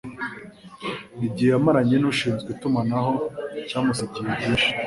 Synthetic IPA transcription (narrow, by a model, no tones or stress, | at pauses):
ibɟihejamaɾaɲenuʃiːnzɡwitumanaɦo̞caːmusaɟiβibɟiːʃi̥